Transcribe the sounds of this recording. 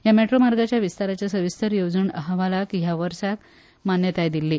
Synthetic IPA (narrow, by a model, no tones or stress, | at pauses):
jameʈɾomaɾɡat͡ɕjaʋist̪aɾat͡ɕjasəʋist̪ʰəɾjod͡zəɳəɦaʋalakjaʋəɾsak | manjət̪ajd̪ilːiː